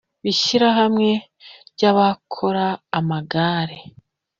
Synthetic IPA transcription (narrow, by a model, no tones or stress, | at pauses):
βiʃiɾaɦamŋe̞ | ɟaβakʰo̞ɾaːmaɡaːɾe